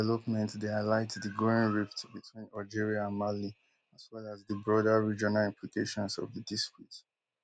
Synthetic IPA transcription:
ɛlɔpmɛ̃ntdealaɪtdəɡɹoɪ̃ŋɹiftbitʰwĩnad͡ʒiɹiaə̃nmali | aswɛlazðəbɹɔdəɹid͡ʒɔnalĩmplikeʃɔ̃nsɔ̰vðədistɹit

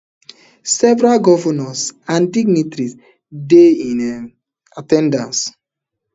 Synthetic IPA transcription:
sɛvɾalɡɔvɔnɔsãndiɡ̚nitɾis | deĩn | atɛ̃ndãns

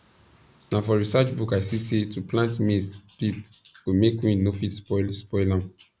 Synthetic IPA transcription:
nãfɔɹisat͡ʃbukaɪsisetuplãntmisd̥ip | womekwĩnofitspɔlspɔɪlã

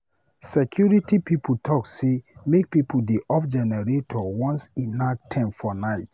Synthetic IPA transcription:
sɛkʰjuɹitipipʰutʰɔksemek̚pipuldeʔɔfd͡ʒɛnɛɹetʰɔwɔ̃nsĩnaktʰɛ̃mfɔnaɪt

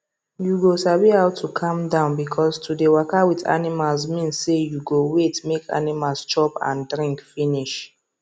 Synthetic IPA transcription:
juɡosabihaʊtʰukʰãmdãʊ̃nbikʰɔstʰudewɔkawiθa̰nimalsmĩnsːejuɡowetmekʰa̰nimalst͡ʃɔpã̰ndɹĩŋkfiniʃ

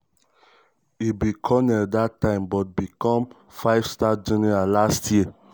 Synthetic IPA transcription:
ibikʰɔnɛdatːãɪ̃mbɔt̚bikɔ̃m | faɪv̥stad͡ʒɛnɛɹalastʰji

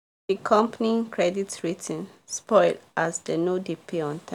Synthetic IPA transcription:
dikʰɔ̃mpnikʰɹɛditɹitʰĩnspɔɪldasdənodipʰeɔ̃ntʰã

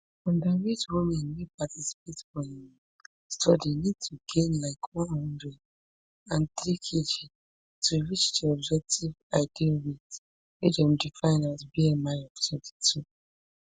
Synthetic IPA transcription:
ɔ̃ndawit͡ʃwumɛ̃nwipʰatʰisi̥pʰetfɔhĩm | stʰɔdinid̚tʰuɡẽnlaɪkʰwãnhɔ̃ndɹɛd | ãnt̪ɾikʰid͡ʒi | tʰuwit͡ʃd͡ʒɛɔbd͡ʒɛk̚tʰivaɪdiwit | wid͡ʒɛ̃mdifãɪ̃natbiemãnɔv̥tʰɔdi̥tʰu

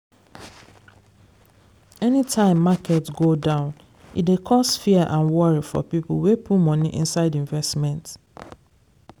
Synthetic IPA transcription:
ɛnitʰãɪ̃mːakʰɛtɡodãʊ̃n | ḭtdekʰɔsfiɛʔãnwɔɹifɔ̰pipl̩ˠwepʰumɔ̃niʔḭ̃nsaɪdĩɱvɛstmɛ̃nt

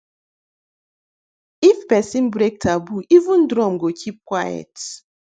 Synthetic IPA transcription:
ifpɛsĩnbɾek̚tʰabuʔivũn̩dɾɔ̃mɡokʰip̚kwajɛ̰t

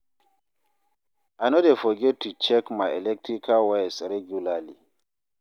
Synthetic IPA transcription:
anodefɔɡɛtʰːut͡ʃɛkmaɛlɛk̚tɾikʰawasɾɛɡjulali

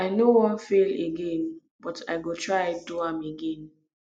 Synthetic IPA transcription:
aɪnowɔ̃nfeleɡẽn | bɔtʰa̰ɪɡotʰɹaɪduãmeɡẽn

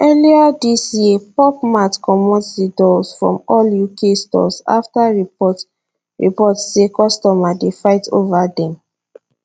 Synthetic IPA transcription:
ɛliadisjepɔp̚matkɔmɔtdidɔlsfɹɔ̰̃mɔljukʰestɔ̰sa̰ftaɹi | ɹḭpɔtsekɔstɔmadefaɪtovadɛ̃m

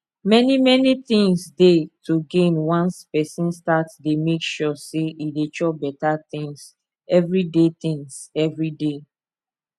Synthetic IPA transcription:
mɛnimɛniθĩŋsdetʰuɡẽnwãnspɛsĩnstatdemekʃɔseidet͡ʃɔbɛtat̪ɪ̃ŋs | ɛvɹidet̪ĩŋsɛvɹide

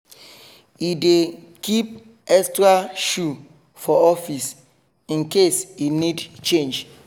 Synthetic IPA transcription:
ide | kip̚ | ɛkstɾaʃu | fɔɔfis | ĩnkesinidt͡ʃẽnd͡ʒ

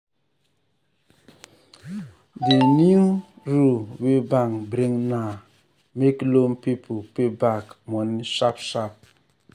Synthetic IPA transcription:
diniuɹuwebãŋbɾĩŋna | meklõmpipʰopebakmɔniʃapʃap̚

